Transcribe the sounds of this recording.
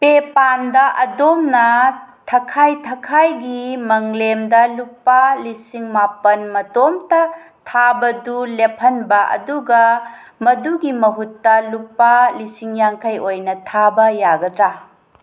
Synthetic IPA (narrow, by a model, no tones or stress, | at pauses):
pepandɐʔɐdomnɐtʰɐkʰajtʰɐkʰajɡimɐŋlemdɐlupːalisiŋmapɐnmɐtomtɐ | tʰabɐdulepʰɐnbɐʔɐ̰duɡɐ | mɐduɡimɐɦutːɐlupːalisiŋjaŋkʰajojnɐtʰabɐjaɡɐdɾa